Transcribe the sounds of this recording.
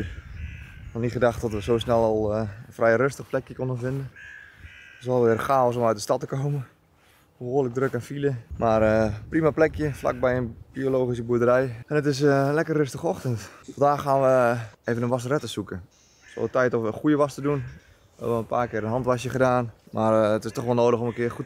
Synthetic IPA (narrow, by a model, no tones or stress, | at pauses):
nɔnitχədaxtɔtʋəsoːsnɛlˠɔlˠəfrʔɛjrøstəχplɛkjəkondənfɪndən | tɪsʋɛlˠʋɪərxaːɔs̬ɔmœɥt̚dəstɑtəkowmə | boɦoːləɡ̚drøkɛnfiləmaːrprimaplɛkjəfla̰k̚bɛjənb̥ioloːxis̬əbuədəɾɛjɛnətɪs̬lɛkərːøstəxɔxtəntfɑndaːxaːnʋəeːvənənʋas̬ərɛtəsukə | so̰tɛjtɔfʋəxujəʋastədun | hɛbəʋəənpaːkɪəənɦɑntʋaʃjəχədaːnmʔarətɪstɔxʋɔlˠnoːdəxɔmənkɪərxut